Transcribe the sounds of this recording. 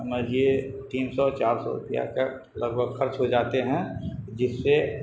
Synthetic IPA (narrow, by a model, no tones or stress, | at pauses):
əməd͡ʒiet̪iːnsɔt͡ʃaːɾsɔ̰ɾʊ̰pja̰ke | lɐɡbʱəɡxɐɾt͡ʃɦod͡ʒaːt̪eɦɛ̃d͡ʒɪsːe